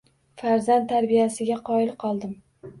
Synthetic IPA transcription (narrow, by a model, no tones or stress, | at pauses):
faɾzand̪ʰaɾbijasɪɡʲaqʰɒɪlqʰɒlˠd̪ɪm